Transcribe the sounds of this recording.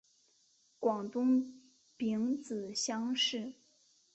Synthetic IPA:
kwɑ˨˩ŋt̪ʊ˥ŋ | pi˧˥ŋt͡sɹ̩˨˩ɕjɑ˥ŋʂɻ̩˥˩

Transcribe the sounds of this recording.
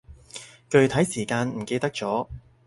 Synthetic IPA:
kɵ˨˧ɥt̪ʰɐ˨˥jsiː˨˩kaː˧nm̩˨˩ke˧jt̪ɐ˥k̚t͡sɔː˨˥

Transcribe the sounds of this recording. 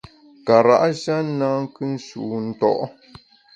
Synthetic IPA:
ka˨ɾa̰˦˨ʔʃa˦na˦ŋ˦kɨ˦n̩˦sṵ˨n̩˦˨tɔ̰˦ʔ

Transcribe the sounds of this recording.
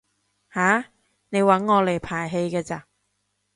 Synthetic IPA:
haː˨˥ | ne˨˧jwɐ˨˥nŋɔː˨˧le˨˩jpʰaː˨˩jɦe˧jkɛː˧t͡sa˧

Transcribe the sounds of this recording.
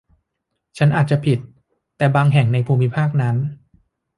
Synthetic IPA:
t͡ɕʰa˦˥nʔaː˨˩t̪̚t͡ɕa˨˩pʰi˨˩t̪ː | ɛː˨˩baː˧ŋɦɛ˨˩ŋna˧jpʰuː˧mi˦˥pʰaː˥˩k̚na˦˥n

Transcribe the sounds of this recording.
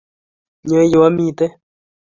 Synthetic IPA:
ɲə̃˧˦jo˧wa˦mĩ˧˨t̪e˦

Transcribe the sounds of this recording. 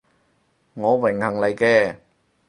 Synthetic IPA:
ŋɔː˨˧wɪ˨˩ŋhɐ˨˩ŋlɐ˨˩jkɛː˧

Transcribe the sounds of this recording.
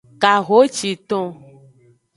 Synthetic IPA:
ka˨ɣo˨˦t͡ʃi˨t̪ɔ̃˦

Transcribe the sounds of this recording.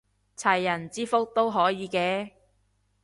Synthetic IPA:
t͡sʰɐ˨˩jːɐ˨˩nt͡siː˥fʊ˥k̚t̪o˥wɦɔː˨˥jiː˨˧kɛː˧

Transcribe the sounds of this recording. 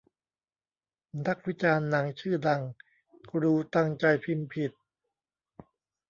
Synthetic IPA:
na˦˥k̚wi˦˥t͡ɕaː˧nːa˩˦ŋt͡ɕʰɯː˥˩da˧ŋ | kɾuː˧t̪a˥˧ŋt͡ɕa˧jpʰi˧npʰi˨˩t̪̚

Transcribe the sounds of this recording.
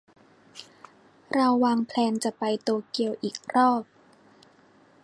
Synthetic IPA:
ɾa˧wːaː˧ŋpʰlɛː˧nt͡ɕa˨˩pa˧jt̪oː˧ki˧əwʔiː˨˩k̚ɾɔː˥˩p̚

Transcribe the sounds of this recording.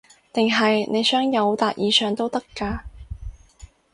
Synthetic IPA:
t̪ɪ˨ŋɦɐ˨jnʔe˨˧jsœː˥ŋjɐ˨˧wt̪aː˨t̚jiː˨˧sœː˨ŋt̪o˥wt̪ɐ˥kːaː˧

